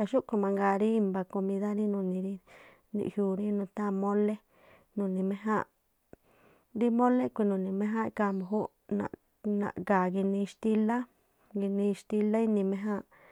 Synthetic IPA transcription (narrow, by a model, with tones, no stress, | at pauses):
ka˧ʃu˦ʔko˧mã˧ŋɡaː˧ɾi˦i˧mba˧ko˧mĩ˧ða˦ɾi˦nũ˧nĩ˧ɾi˦ | nḭ̃˧ʔhjuː˧ɾĩ˦nũ˧t̪a˦˧mõ˦le˦ | nũ˨nĩ˨mẽ˧ɦã̰˦˧ | ɾi˦mõ˦le˦kʷi˧nũ˨nĩ˧mẽ˧˦ɦã˦˧ka˧mo˨ɦu˦ | nã̰˧˨ | nã̰˧˨ʔɡaː˨ɡi˧nĩ˧ʃt̪i˧la˦ | ɡi˧nĩ˧ʃt̪i˧la˦i˦nĩ˧mẽ˧ɦã˦˧ʔ